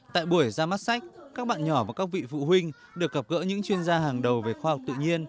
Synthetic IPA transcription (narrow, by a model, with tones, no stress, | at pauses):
t̪a̰ː˧˨jɓu˧˩əjzaː˧ma˦˥t̚sa˦˥jk̚kaː˦˥k̚ɓa̰ː˧˨nɲɔ˧˩vaː˨˩kaː˦˥k̚vḭ˧˨fṵ˧˨ɦwï˧ŋ̟ | ɗɨ˨˩ək̚ːɣə˨˩p̚ɣə̰˧˥ɲɨ̰˧˥ŋt͡ɕwi˧ənzaː˧haː˨˩ŋɗə˨˩wve˨˩xwaː˧ha˨˩k͡p̚t̪ɨ̰˧˨ɲi˧ən